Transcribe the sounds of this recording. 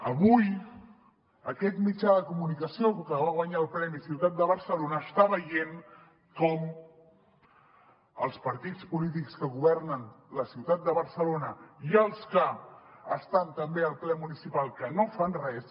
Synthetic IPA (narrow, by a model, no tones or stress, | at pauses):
əβuj | əkɛt̪mit͡ʃaðəkumunikəsiokəβaɣwaɲaəlˠpɾɛmisiwt̪at̪̚d̪əβəɾsəlonəːst̪aβəjen | kɔm | ə̰lˠspəɾt̪it͡spulit̪̬ikskəɣuβɛɾnənləsiwt̪at̪̚d̪əβəɾsəlonəiəlˠskəəst̪ant̪əmbeəlˠplɛmunisipalˠkənofanrɛs